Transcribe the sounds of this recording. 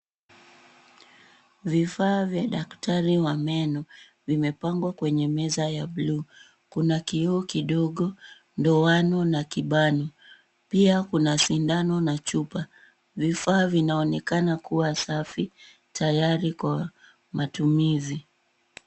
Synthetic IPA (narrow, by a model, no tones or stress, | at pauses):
vifaːvjaɗaktʰaɾiwamɛnɔ | vimɛpaŋɡwakwɛɲɛmɛzajaɓluː | kunakiɔːkiɗɔɠɔ | ndɔanɔnakiɓanɔ | piakunasindanɔnat͡ʃupa | vifaːvinaɔnɛkanakuwasafi | tajaɾikwa | matumizi